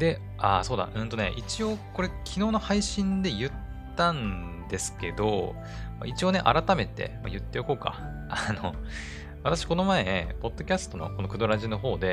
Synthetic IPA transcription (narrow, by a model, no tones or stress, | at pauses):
d̪e̞ | aso̞ːd̪a̰ʔɯ̟̃nt̪o̞ne̞̰ʔit͡ɕio̞ko̞ɾe̞kʲʰino̞ːno̞haiɕĩnd̪e̞jɯ̟t̪ːãn | d̪e̞sɨ̥ke̞d̪o̞̰ | ma̰it͡ɕio̞ːne̞̰ʔa̰ɾat̪ame̞t̪e̞̰ma̰jɯ̟t̪ːe̞joko̞ːka̰ | ano̰ | βat̪aɕi̥ko̞no̞maenḛpo̞d̪̥ːo̞kʲasɨ̥t̪o̞no̞̰kono̞kɯ̟d̪o̞ɾaʑino̞ɦo̞ːd̪e̞